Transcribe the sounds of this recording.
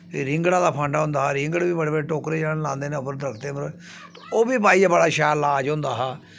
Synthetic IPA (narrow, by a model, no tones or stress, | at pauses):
ɾɪ̃ŋɡɽãːd̪aːpʰə̃ɳɖaːɦʊ̃nd̪aːɦaːɾɪ̃ŋɡəɽbiːbəɽeːbəɽeːʈoːkɾeːd͡ʒaːɽlãːnd̪eːnẽʊpəɾd̪əɾəkʰt̪eːməɾ | t̪ | oːbiːpaːiːabəɽaːʃɛːɾlaːd͡ʒɦõnd̪aːɦaː